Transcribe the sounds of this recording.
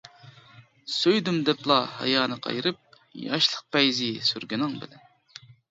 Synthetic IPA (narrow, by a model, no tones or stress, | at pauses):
søjd̪ymd̪ɛplˠɑhɑ̰jɑːnɨqʰɑ̰jɾɨp̚ | jɑʃlˠəq̚pɛjzɪsyɾɡʲinɨŋbɪ̰lɛn